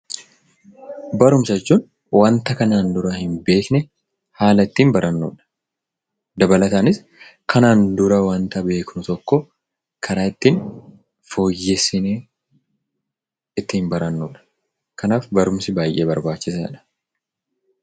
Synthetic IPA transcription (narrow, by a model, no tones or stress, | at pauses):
bɐɾʊmsɐt͡ʃːuːn | wɐnt̪ɐkɐnaːnd̪ʊɾɐhɪnbe̞ːknɛ | haːlɐɪt̪ːiːnbɐɾʔɐnːṵːᶑɐ̥ | d̪ɐbɐlɐt̪aːnɪs | kʰɐnaːnd̪ʊɾɐwɐnt̪ɐbe̞ːknʊt̪ɔkːɔ | kʰɐɾaːɪt̪ːiːn | fo̞ːjːɛsɪneː | ɪt̪ːɪhmbɐɾɐnːuːᶑɐ̥ | kɐnaːfbɐɾʊmsɪbaːjʔḛːbɐɾbaːt͡ʃːɪsa̰ːᶑɐ̥